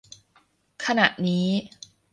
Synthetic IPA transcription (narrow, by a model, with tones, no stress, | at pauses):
kʰa˧na˨˩ʔniː˦˥